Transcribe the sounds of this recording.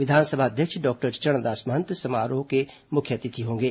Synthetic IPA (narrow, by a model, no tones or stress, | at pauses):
ʋɪd̪ʱaːnsəbʱaɐd̪ʱjəkʃɖɔːk̚ʈəɾt͡ʃɐɽ̃d̪aːsmɐɦə̃nt̪sɐmaːɾoːke | mʊkʰjət̪ɪt̪ʰiɦõːŋɡeː